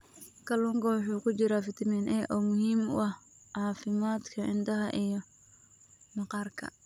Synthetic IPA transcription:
kʰɐlʊŋkʰɔwħuːkʰʊt͡ʃɪɾaːfɪt̪ʰɪmɛːnɛʔɔːmʊhiːmʊ̰ɐh | ʕɑːfɪmaːd̪kʰɐʔɪnd̪ɐɦɐʔijɔ | nɑqɑːrkʰɐ̰

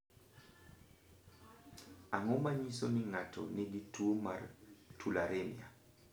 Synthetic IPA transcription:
aŋɔmaɲisonɪŋatʰɔ̰nɪɡituoma̰tʰulaɾemja

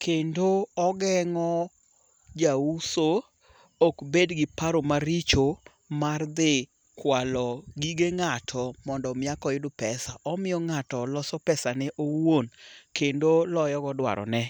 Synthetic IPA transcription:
kʰendoɔɡɛŋɔ | d͡ʒauso | okbedɡɪpaɾomaɾit͡ʃo | mard̪ɪ | kwalɔɡiɡeŋatʰɔmɔndɔmɪakɔɪdʊpɛsaʔɔmɪjɔŋatɔlɔsɔpɛsanɛʔowonkendolɔjɔɡɔdwa̰ɾɔ̰nɛ

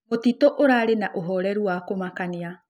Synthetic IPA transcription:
otitoʔoɾaɾenaʔoɦɔɾɛɾuakomakania

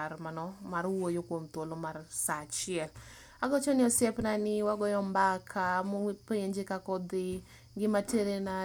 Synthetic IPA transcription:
ɾmanɔmarwojokwomt̪wolomarsat͡ʃɪɛl | aɡɔt͡ʃɔnɪɔsjɛpnanɪwaɡɔjɔmbakʰamopeeɲd͡ʒekakɔd̪ɪ | ɡɪmateɾena

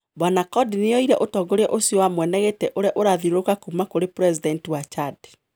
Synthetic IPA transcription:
bɔnakɔdineɔiɾɛʔotɔːɡoɾɛʔosiowamwɛnɛɣetɛʔoɾeaʔoɾaðiɾokakumakoɾepɾɛzidɛntiwat͡ʃade̥

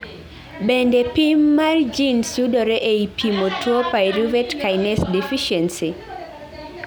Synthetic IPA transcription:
bɛndɛpimːard͡ʒinsjudɔɾɛʔeipimotwopaiɾuvɛtkajnɛsdɛfiʃɛnsi

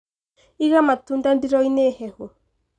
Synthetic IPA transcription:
iɣamatuːndandiɾɔinehɛhwɔ

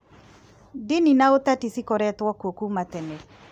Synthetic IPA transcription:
dininaotatisikɔɾɛtwɔkokumatɛnɛ

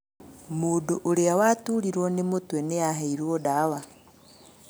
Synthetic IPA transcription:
mudoʔoɾeawatuɾiɾwonemotweneaɦeiɾwodawa

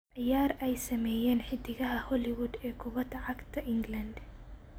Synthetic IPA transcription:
ʕɪjaːɾɛjsɐmɛːjɛːnħɪd̪ɪɣɐɦɐhɔlɪwʊd̪ɛːkʰʊβɐd̪ɐʕɑɡt̪ʰɐʔɪŋɡlɐnd̪

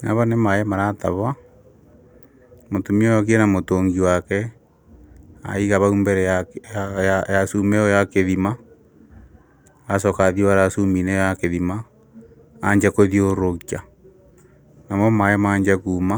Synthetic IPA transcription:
naβanemajɛmaɾata̰βa | motumiɔjɔɣiɛnamotoŋɡiwakɛ | a̰iɣaβaumbɛɾɛajajasumɛɔjakeðima | asɔkaðioβaɾasuminɛjakeðimaː | ɲd͡ʒakoðioɾokia | namɔmajɛmaːɲd͡ʒakuːma

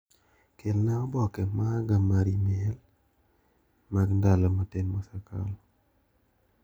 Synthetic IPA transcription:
kelnaɔbɔkɛmaɡamaɾimiɛl | maɡndalɔmatenmɔsakʰa̰l

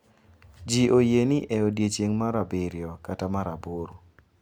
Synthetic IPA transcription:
d͡ʒiʔojenɪʔɛodjet͡ʃeŋmaɾabɪɾjɔkatamaɾaboɾo

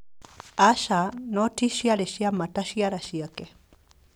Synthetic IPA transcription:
aʃanotiʃiaɾeʃiamataʃijaɾaʃiake

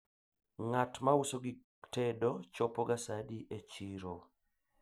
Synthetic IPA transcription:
ŋatmausoɡi | tedot͡ʃɔpoɡasadiʔet͡ʃiɾo

